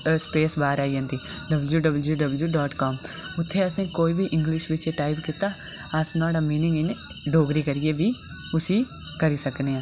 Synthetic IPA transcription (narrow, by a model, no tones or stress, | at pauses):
speːsbaːɾaːijãːnd̪iː | ɖəbəljuːɖəbəljuːɖəbəljuːɖɔːʈkɔːmʊt̪ʰːeːəsẽːkoːiːbiːʔɪ̃ŋɡlɪʃʋɪt͡ʃeʈaːɪbkɪt̪aː | əsnaːɽaːmiːnɪ̃ŋɡene | ɖoːɡɾiːkəɾijeːbiː | ʊsiː | kəɾiːsəkneːãː